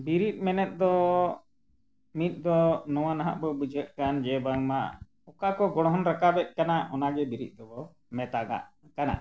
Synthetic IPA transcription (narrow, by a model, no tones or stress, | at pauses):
biɾit̪̚ˀmɛnɛt̪̚ˀd̪ɔ | mit̪̚ˀd̪ɔnɔwanaɦa̰ʔbɔbud͡ʒət̪̚ˀkand͡ʒɛbaŋma | ɔkakɔɡɔɽɔɦɔnɾakabɛt̪̚ˀkanaʔɔnaɡɛbiɾḭt̪̚d̪ɔbɔ | mɛt̪aɡa̰ʔ | kana̰